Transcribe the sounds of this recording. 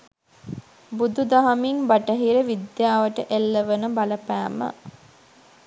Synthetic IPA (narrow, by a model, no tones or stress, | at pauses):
bud̪ud̪aɦɐmiŋbaʈəɦiɾəʋid̪jaːʋəʈəʔelːəʋənəbaləpæːmə̰